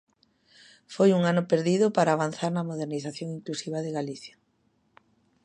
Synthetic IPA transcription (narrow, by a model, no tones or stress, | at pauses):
fojuŋanʊpeɾðiðʊpaɾaːβ̞an̟θaɾnɐmoð̞eɾniθaθjoŋiŋklusiβaðeɣaliθjḁ